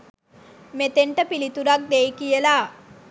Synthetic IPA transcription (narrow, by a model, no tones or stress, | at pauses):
met̪eɳʈəpilit̪uɾak̚d̪ejkijəla